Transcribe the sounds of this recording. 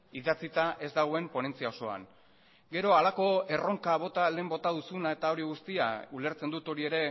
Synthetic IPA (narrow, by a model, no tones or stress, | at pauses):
iðat͡sit̪aʔe̞zd̪aɣ̞o̞e̞mpo̞ne̞nt͡siao̞so̞a̰n | ɡe̞ɾo̞alako̞e̞ro̞ŋkaβ̞o̞t̪ale̞ːmbo̞t̪aðusunae̞t̪ao̞ɾiɣ̞ust̪ia̰ule̞ɾt͡se̞nd̪ut̪o̞ɾie̞ɾe̞